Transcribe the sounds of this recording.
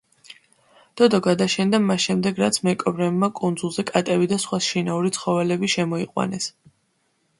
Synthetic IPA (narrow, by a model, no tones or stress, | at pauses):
d̪̥ɔd̪ɔɡad̪aʃɛnd̪amasʃɛmd̪ɛɡɾat̪sʰmɛkʼɔbɾɛbmakʼund̪zulˠzɛkʼat̪ʼɛbid̪asχwasʃinauɾit̪sʰχɔvɛlɛbiʃɛmɔiqʼwa̰nɛs